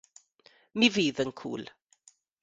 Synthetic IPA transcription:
miviːðənkʰṵːlˠ

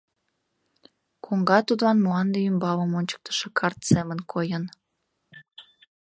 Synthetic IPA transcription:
koŋɡɑt̪ud̪lɑnmlɑnd̪eymbɑləmonʲt͡ɕə̥k̚t̪ə̥ʃekʰɑrt̪semənkʰojən

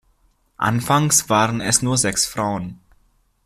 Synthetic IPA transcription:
ʔa̰nfaŋsv̥aːʁənɛsnuːɐzɛksfʁ̥aʊən

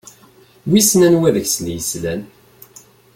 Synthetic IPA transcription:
wisnænwæðəçsljəslæn

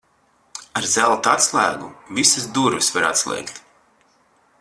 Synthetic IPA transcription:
aɾzælˠt̪at̪slˠæːɡuvisɨsd̪uɾvisvaɾa̰t̪slˠʲɛ̰ːkt̪

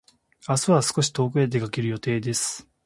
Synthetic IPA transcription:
asɨβasɨ̥ko̞ɕi̥t̪o̞ːkɯ̟ed̪e̞kake̞ɾɯ̟jo̞t̪e̞ːd̪e̞sɨ̥

